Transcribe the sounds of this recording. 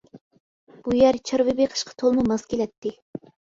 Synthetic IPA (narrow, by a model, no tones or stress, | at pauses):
b̥ujɛɾt͡ʃʰɑɾvɨbeqʰə̥ʃqʰɑ̥t̪ʰolˠmumɑskʲelɛt̪ʰːɪ